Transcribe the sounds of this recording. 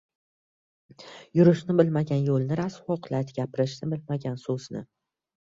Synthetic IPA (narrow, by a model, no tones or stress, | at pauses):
jʊɾɪʃnɪbɪlmaɡʲanjolˠnɪɾashɒqlat̪ɡʲapɪɾɪʃnɪbɪlmaɡʲansɵz̥nɪ̰